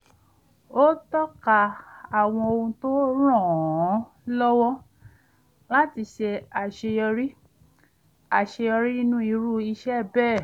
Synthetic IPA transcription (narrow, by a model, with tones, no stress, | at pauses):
o˦tɔ˦ka˧a˨w̃ɔ̃˧o˧ũ˧to˦ɾ̃ɔ̃˦˨˦ | lɔ˦wɔ˦ | la˦ti˧ʃe˧a˨ʃe˧ɔ˧ɾi˦ | a˨ʃe˧ɔ˧ɾi˦i˦nũ˦i˧ɾu˦i˧ʃɛ˦˨bɛː˦˨